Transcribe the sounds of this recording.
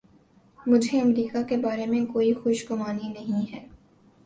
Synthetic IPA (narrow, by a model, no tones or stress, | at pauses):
mʊd͡ʒʱeɐmɾiːkakebaːɾemẽkoːixʊʃɡʊmaːninɐɦĩɦɛː